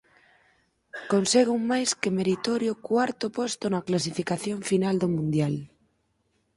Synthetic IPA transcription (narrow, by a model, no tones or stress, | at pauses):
konseɣuŋmajskemeɾit̪oɾjokwaɾt̪opost̪onaklas̬ifikaθjoɱfinald̪omũnd̪jal